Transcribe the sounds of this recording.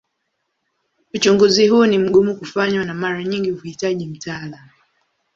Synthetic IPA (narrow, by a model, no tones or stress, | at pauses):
ut͡ʃuŋɡuziɦunim̩ɠumukufaɲwanamaɾaɲiŋɡivuhitaʄim̩taːlamu